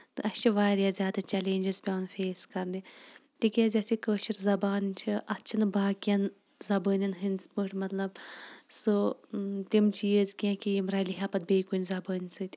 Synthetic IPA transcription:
t̪ɨɐst͡ʃʰiʋaːɾjaːzʲjaːd̪ɐt͡ʃɛleːnʲd͡ʒɐɾzpʲaːnfeːskɐɾnit̪ikʲaːzʲɐsikəːʃiɾzɐbaːnt͡ʃʰiʔɐtːt͡ʃʰɐnbaːkjɐn | zɐbəːnʲɐnɦinspəʈʰʲmɐt̪lɐb̚sɨt̪imt͡ʃiːəzkʲãːkijimɾaːliɦʲaːpɐt̪̚beːkunʲzɐbəːnʲsɨt̪ʲ

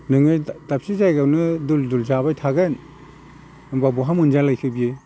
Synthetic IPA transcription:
nɯŋɯjtap̚sizajɡawnɯduldulzabajtʰaɡɯn | ɯbabuɦamunzalajkʰɯbije

